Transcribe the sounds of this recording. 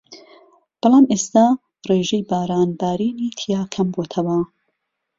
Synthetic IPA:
b̥ɑlˠɑːmeːst̪aː | reːʒejbaːɾaːnbaːɾiːniːt̪ʰijaːkʰɐmbot̪ʰɐwɐ

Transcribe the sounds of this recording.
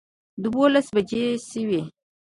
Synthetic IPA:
d̪wolasbad͡ʒeʃəwi

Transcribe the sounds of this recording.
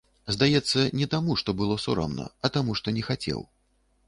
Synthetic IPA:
zd̪ajɛt̪sːɐnʲɛt̪amuʂt̪ɔbɨlˠɔsɔɾɔ̰mnɐ̰ɐt̪amuʂt̪ɔnʲɛxat͡sʲɛ̰w

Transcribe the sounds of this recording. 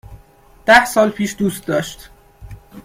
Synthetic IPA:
d̪̥æhsɒːlpʰiːʃd̪uːst̪̚d̪ɒːʃt̪

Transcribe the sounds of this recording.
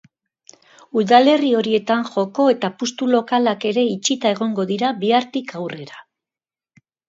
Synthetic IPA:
uðale̞rio̞ɾie̞t̪aŋʝo̞ko̞e̞t̪apust̪ulo̞kalake̞ɾe̞it͡ʃit̪ae̞ɣ̞o̞ŋɡo̞ðiɾaβiaɾt̪ikawre̞ɾa

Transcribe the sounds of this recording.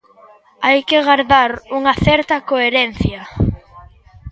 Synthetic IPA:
ajkeɣaɾðaɾuŋɐθɛɾt̪ɐkoeɾɛn̟θjɐ

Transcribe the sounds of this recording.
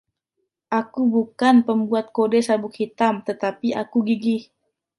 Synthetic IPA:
ʔakubukanpəmbuat̪̚kodɛsabʊk̚hit̪amt̪ət̪apiakuɡiɡih

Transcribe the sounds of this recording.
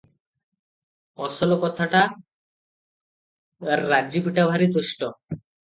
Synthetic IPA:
ɔsɔlɔkɔt̪ʰaʈa | ɾːad͡ʑipiʈabʱaɾit̪̬oʃʈɔ

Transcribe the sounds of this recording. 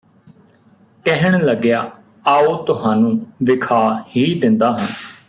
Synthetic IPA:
kɛɦəɳ̃ləɡjaː | aːoːt̪ʊɦaːnũːʋɪkʰaːhiːd̪ɪnd̪aːɦən

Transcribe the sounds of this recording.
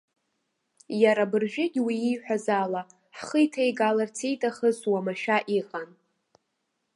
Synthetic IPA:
jaɾabɨrʒᶣɪɡʲwiijħʷᶣazala | ħχəjtʰajɡalart͡sʰejtʼaχəzwamaʃᶣaʔiqʼan

